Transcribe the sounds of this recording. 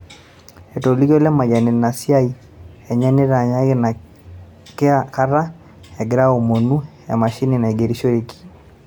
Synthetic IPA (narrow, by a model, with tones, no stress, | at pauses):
ɛ˨to˨li˦kɔ˦lɛ˦ma˨ɲa˨nɛ˨na˨si˦a˦i˨ | ɛ˨ɲa˦nɪ˦ɾa˨ɲa˦na˨ | ke˦a˦ka˦ɾa˦ | ɛ˨ɡɪ˨ɾa˦o˨mo˨nu˦ | ja̰˨ma˨ʃi˦ni˨na˨i˨ɡe˨ɾi˦ʃɔ˦ɾe˦ki̥˨